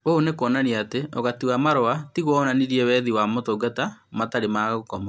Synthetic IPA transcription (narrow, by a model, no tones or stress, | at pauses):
oːnekoɔnaniaateʔɔɣatiwamaɾoatiɣwɔnaniɾiɛwɛðiwamotoɡatamataɾemaɣokɔma